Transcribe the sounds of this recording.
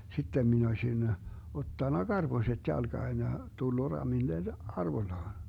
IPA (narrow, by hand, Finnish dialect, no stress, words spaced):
sitːem min osʲin otːɑnːɑ ɡ̊ɑrb̥oset jɑlɡ̊ɑːn jɑ tulːu rɑmilːen ɑrʋoĭlːɑːn̞